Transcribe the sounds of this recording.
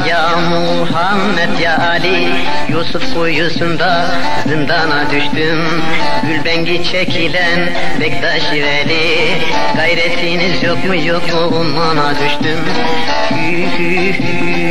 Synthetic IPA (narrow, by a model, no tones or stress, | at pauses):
ja | mu | ɦamːɛt̪ʰjaːli | jusufkujjusund̪a | zɯnd̪anad̪yʃt̪ym | ɡylʲbɛŋɟit͡ʃʰɛkʰilɛn | bɛkd̪aʃivɛli | ɡ̥ajɾɛt̪ʰinizjokmujokmuumanad̪yʃt̪ym | y